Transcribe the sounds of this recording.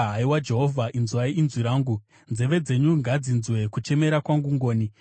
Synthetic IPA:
ɦaiwad͡ʒe̞ɦo̞vʱaʔinzuwaiːnzwiɾaːŋɡu | nze̞ʋe̞d͡ze̞ɲuŋɡad͡zinzwe̞kut͡ʃe̞me̞ɾakwaŋɡuŋɡo̞ːni

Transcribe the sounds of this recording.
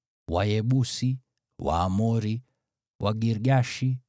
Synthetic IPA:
wajɛɓusi | wa̰ːmɔɾi | wʔaɡiɾɡaʃi

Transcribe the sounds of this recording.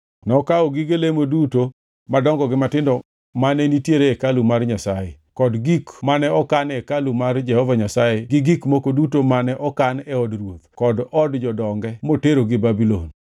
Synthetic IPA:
nɔkaɔɡɪɡelemoduto | madɔŋɡɔɡɪmatɪndɔ | manɛnitjeɾeːkalumarɲasajḛ | kɔdɡikmanɛɔkanɛkalumard͡ʒɛhɔvaɲasajeɡɪɡikmokodutomanɛʔɔkanɛɔdrwot̪kɔdɔdd͡ʒɔdɔŋɡɛmoteɾoɡɪbabilo̰n

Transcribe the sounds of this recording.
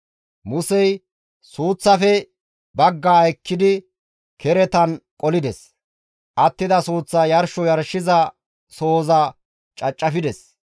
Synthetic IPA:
mʊsɛj | suːt͡sːɐfɛ | bɐɡːaːɐjkːɪd̪ɪ | kʰɛɾɛt̪ɐnkʼɔlɪd̪ɛs | ʔɐt̪ːɪd̪ɐsuːt͡sːɐjɐɾʃɔjɐɾʃɪzɐ | soːzɐ | t͡ʃʼɐt͡ʃʼːɐfɪd̪ɛs

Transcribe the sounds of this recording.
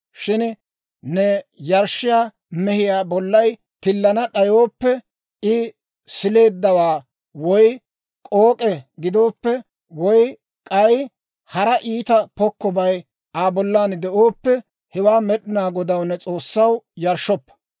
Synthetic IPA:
ʃɪn | nɛjɐɾʃɪjaː | mɛhɪjaːbɔlːɐj | t̪ɪlːɐnɐɗɐjoːpːɛ | ɪ | sɪle̞ːd̪ːɐwaː | wɔj | kʼoːkʼɛɡɪd̪o̞ːpːɛ | wɔj | kʼɐj | hɐɾɐʔiːt̪ɐpɔkːɔbɐj | ʔaːbɔlːaːnd̪ɛʔoːpːɛ | hɛwaːmɛɗɪnaːɡɔd̪ɐwnɛt͡sʼo̞ːsːɐwjɐɾʃːɔpːɐ̥

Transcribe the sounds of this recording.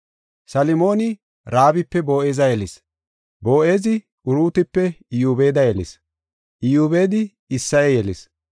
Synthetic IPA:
sɐlɪmo̞ːnɪ | ɾaːbɪpːɛbo̞ːʔeːzɐjɛlɪs | bo̞ːʔe̞ːzɪ | ʔʊɾuːt̪ɪpːɛɪjuːbeːd̪ɐjɛlɪ̰s | ʔɪjuːbeːd̪ɪ | ɪsːɐjɛjɛlɪs

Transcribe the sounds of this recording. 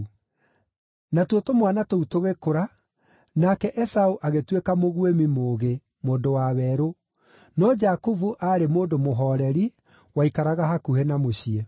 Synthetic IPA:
natotomwanatoutoɣekoɾa | nakɛʔɛsauʔaɣetwekamoɣwemimoːɣe | moːndowaβɛɾo | nɔd͡ʒakuvuʔaɾemoːndomoɦɔːɾɛɾi | waikaɾaɣaɦakuhenamoɕiɛ

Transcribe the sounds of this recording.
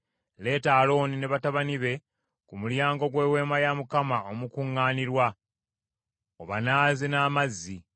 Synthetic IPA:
le̞ːtaːlo̞ːnine̞βataβaniβe̞ | kumuljaːŋɡo̞ɡwe̞ːwe̞ːmajamukamao̞mukuŋːaːniɾwa | oβanaːzinaːmazːi

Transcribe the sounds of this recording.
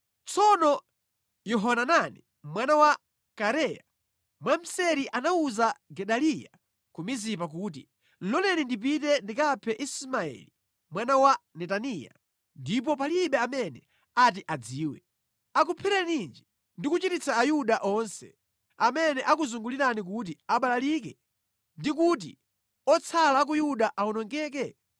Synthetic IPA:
t͡sɔnɔ | jɔɦɔnanani | mwanawa | kaɾɛja | mwam̩sɛɾiʔanauzaɡɛɗalija | kumizipak̬uːtḭ | lɔlɛnindip̬itɛndikapʰɛʔismaɛ̰li | mwanawanɛtanija̰ | ndip̬ɔpaliɓɛamɛnɛ | at̬iʔad͡ziːwɛ | ak̬upʰɛɾɛnind͡ʒi | ndikut͡ʃitit͡saːjuɗaʔɔnsɛ̰ | amɛnɛʔakuzuŋɡuliɾanik̬ut̬iaɓalalikɛ | ndikut̬i | ɔt͡sʰalak̬ujuɗaʔaunɔŋɡɛːk̬ɛ

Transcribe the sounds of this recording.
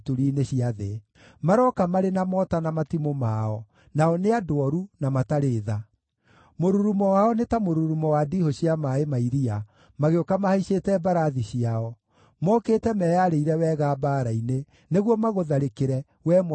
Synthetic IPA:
tuɾiːneɕiaðe | maɾɔkamaɾenamɔtanamatimomaɔ | naɔneadoɔɾunamataɾeːða | moɾuɾumɔwaɔnetamoɾuɾumɔwadihoɕiamaemaiɾia | maɣeokamahaiɕetɛbaɾaðiɕiaɔ | mɔkeːtɛmɛjaɾeiɾɛwɛːɣaːbaːɾaine | neɣwɔmaɣoðaɾekeɾɛ | wɛm

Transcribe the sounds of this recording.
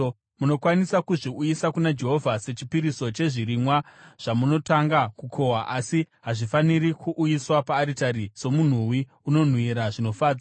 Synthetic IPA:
muno̞kwanisakuʐiujisakunad͡ʒe̞ɦo̞vʱase̞t͡ʃipiɾiso̞t͡ʃe̞ʐiɾimwaʐ̥amuno̞taŋɡakukʰo̞waʔasi | ɦaʐifaniɾikʰuʔːjiswapaːɾitaɾiso̞mun̤uwi | uno̞n̤wiɾaʐino̞faːd͡za

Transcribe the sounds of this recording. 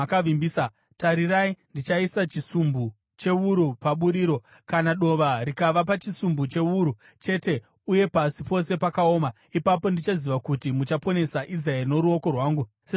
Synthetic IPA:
kaʋimbiːsa | taɾiraindit͡ʃaisat͡ʃisumbu | t͡ʃe̞uɾupaɓuɾiːɾo̞ | kanaɗo̞ʋarikaʋapat͡ʃisumbut͡ʃe̞uɾu | t͡ʃe̞te̞ | uje̞pasipo̞se̞pakaoːma | ipapo̞ndit͡ʃaziʋakutimut͡ʃapo̞ne̞saʔis̬rae̞rino̞ɾuo̞ko̞rwaːŋɡu | se

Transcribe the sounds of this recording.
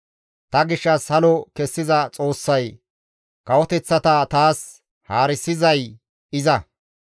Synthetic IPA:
t̪ɐɡɪʃːɐshɐlɔkɛsːɪzɐt͡sʼo̞ːsːɐj | kɐwɔt̪ɛt͡sːɐt̪ɐt̪aːs | haːɾɪsːɪzɐj | ɪzɐ

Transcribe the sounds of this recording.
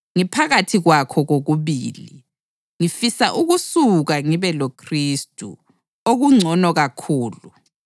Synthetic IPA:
ŋipʰaɣatʰiɣwakʰɔɣoɣuβiːli | ŋifisaʔuɣusuɣaŋiβɛlokʰriːstʼṵ | oɣuŋ͡ǀʱɔnɔɣakʰuːlu

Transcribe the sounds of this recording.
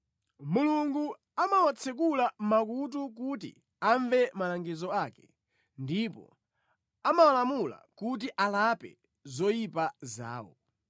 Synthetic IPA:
muluŋɡu | amawat͡sʰɛkulam̩mak̬ut̬uk̬ut̬ḭ | aɱvɛmalaŋɡizɔaːkɛ | ndipɔ̰ | amawalamula̰kut̬iʔalapɛ̰ | zɔjipaza̰ːwɔ̰

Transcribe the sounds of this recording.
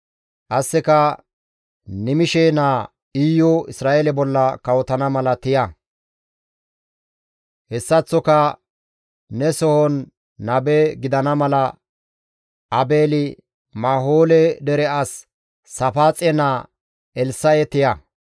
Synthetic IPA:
ʔɐsːɪkɐ | nɪmɪʃɛnaː | iːjɔɪsɾaːʔelɛbɔlːɐkɐwɔt̪ɐnɐmɐlɐt̪ɪjɐ | hɛsːɐt͡sːɔkɐ | nɛsɔhɔnː | ɐbɛɡɪd̪ɐnɐmɐlɐ | ʔɐbeːlɪ | maːɦoːlɛd̪ɛɾɛasː | ɐfaːt͡sʼɛna | ɛlsɐjɛt̪ɪjɐ

